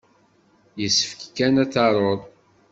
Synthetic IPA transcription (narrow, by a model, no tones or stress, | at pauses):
jəsːə̥fkkːænæt͡sːɑɾˤoɾˤ